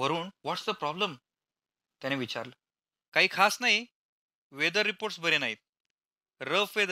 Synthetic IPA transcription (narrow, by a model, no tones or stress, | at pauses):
ʋəɾuːnʋɔʈsd̪əpɾɔbləm | t̪janeʋit͡ɕa̰ɾlə | kaɦiːkʰasnaɦi | ʋed̪əɾːipoɾʈsbʱəɾenaɦit̪̚ | ɾəfʋed̪